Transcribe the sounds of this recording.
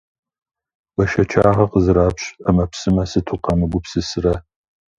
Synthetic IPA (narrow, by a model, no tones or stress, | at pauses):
wɐʃɐt͡ʃʰaːʁɐqəzɨɾaːpɕɐmɐpsɨmɐsɨtʰʊqɐmɨɡʷʊpsɨsɨrɐ